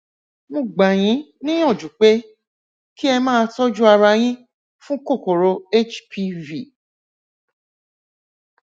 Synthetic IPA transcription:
mũ˧˨ɡ͡ba˨j̃ĩ˨˦nĩ˦ɔ̃˦˨d͡ʒu˨k͡pe˨˦ | ki˦ɛ˧mãː˦˧tɔ˦d͡ʒu˦a˧ɾa˧j̃ĩ˦ | fũ˦ko˦˨ko˨ɾo˧˦e˦˨t͡ʃpʰi˧˦vi˨

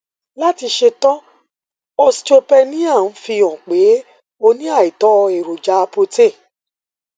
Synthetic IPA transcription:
la˦ti˧ʃe˧tɔ̃˦ | ɔ˧st͡ʃo˧pɛ˧nĩ˦a˦˨n̩˨˦fi˧ɔ̃˨k͡pe˨˦ | o˧nĩ˦a˦˨i˨tɔ˨˦˧e˨ɾo˨d͡ʒa˨˦˧po˧te˦˨

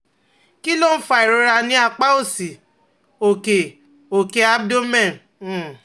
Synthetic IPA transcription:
ki˦lo˦fa˦˨i˨ɾo˨˦ɾa˧nĩ˦a˧k͡pa˦o˦˨si˨ | o˨ke˨ | o˨ke˧˦a˦bdo˦mɛ̃˦˨n̩˨˦˨

